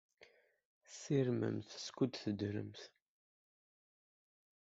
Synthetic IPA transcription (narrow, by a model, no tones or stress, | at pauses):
siɾmə̰mθskud̪θəd̪ɾə̰mθ